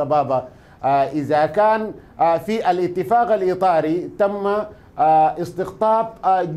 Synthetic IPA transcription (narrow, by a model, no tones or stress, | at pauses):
ɑbɑːba | ʔɪzakaːn | fiʔalʔɪt̪ːɪfaːqalʔit̪ˤɑːɾit̪amːa | ʔɪst̪ɪɣt̪ˤɑːb̚d͡ʒ